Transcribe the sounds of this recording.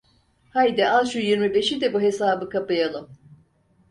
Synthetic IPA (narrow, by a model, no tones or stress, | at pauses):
hajd̪ɛʔazʃujiɾmibe̞ʃid̪ɛbuɦe̞saːbɯkʰapɯjalˠɯm